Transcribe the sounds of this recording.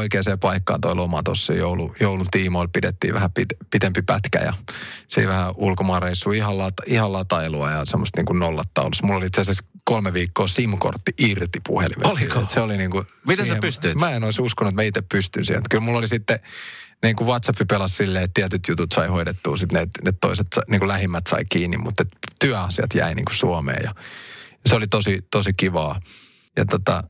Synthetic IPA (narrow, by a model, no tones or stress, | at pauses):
oikeːseːpɑikːɑ̰ːnt̪oilomɑt̪o̰sːḛjoulujoulut̪iːmoilpidet̪ːḭːʋæhæpit̪pit̪empipæ̰t̪kæ̰jɑ̰sḭːʋæhæʔulkomɑːreisːuːihɑllɑtihɑlɑt̪ɑiluɑjɑsemːost̪nḭːŋkunnolːɑt̪ːɑ̰ulusmulːoliit̪seseskolmeʋiːkːoːsimko̰rt̪ːiʔirt̪ipṵhḛlḭmeolikoet̪seoliniːŋkumit̪eepyst̪yitmæenoisuskonuet̪mæit̪eppyst̪y̰nsḭhḛmut̪kylmulːolisit̪ːeniːŋkuʋɑt̪sɑpːipelɑssilːeːet̪t̪iæt̪yt̪jut̪ut̪sɑihoidet̪ːuːsit̪net̪net̪toiset̪sɑniːŋkulæhimːæt̪sɑ̰ikiːnːimmut̪ːet̪t̪yæɑsiɑ̰t̪jæ̰inḭŋkusuomḛːjɑjɑseolit̪osit̪osikiʋɑː | jɑ̰t̪ot̪ɑ